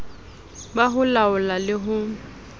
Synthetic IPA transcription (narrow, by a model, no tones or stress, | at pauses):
baɦʊlaʊlalɪɦʊ